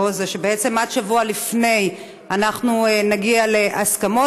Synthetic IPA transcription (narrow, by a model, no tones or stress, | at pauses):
ozaʃebeet͡se̞mad̪ʃavualifne̞j | anaχnuenaɡialeʔaskamo